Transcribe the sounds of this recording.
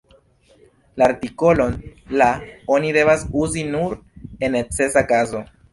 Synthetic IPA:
laːɾtiko̞lo̞nlao̞nide̞vasuzinuɾe̞nːe̞t͡se̞sakazo̞

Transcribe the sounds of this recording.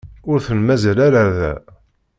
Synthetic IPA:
ʊɾθənmæzlaɾaðæ̰

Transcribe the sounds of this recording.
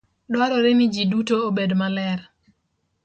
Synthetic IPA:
dwaɾɔɾemid͡ʒidutoobedmalɛr

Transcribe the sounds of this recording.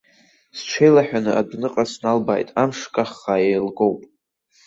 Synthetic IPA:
sʈ͡ʂʰejlaħᶣanɨʔadnɨqʼasnalba̰jtʼamʂkʼaχːajejlɡowpʼ

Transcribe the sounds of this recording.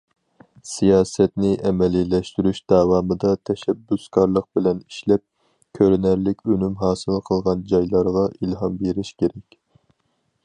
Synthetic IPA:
sijɑːsɛt̪nɪʔɛmɛlilɛʃt̪yɾyʃd̪̥ɑːwɑːmɨd̪ɑt̪ʰɛʃɛbːyskʰɑɾlˠəq̚bɪlɛniʃlɛp̚ | kʲʰøɾnæɾlɪkʲʰønymɦɑːsɨlˠqʰəlˠʁɑnd͡ʒɑjlˠɑɾʁɑʔilɦɑmbeɾɪʃkʲʰeɾɛkʲ

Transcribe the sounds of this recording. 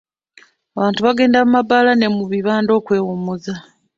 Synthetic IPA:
aβaːntuβaɡe̞ːndamumabalane̞muβiβaːndo̞ːkwe̞ːwomuza

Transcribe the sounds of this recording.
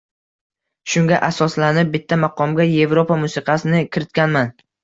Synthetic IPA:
ʃʊŋɡʲaʔasɒslanɪp̚bɪt̪ʰːamɑqʰɒmɡʲaje̞vɾopʰamʊsɨqʰɑsɪnɪkʲʰɪɾɪt̪̚kʲanman

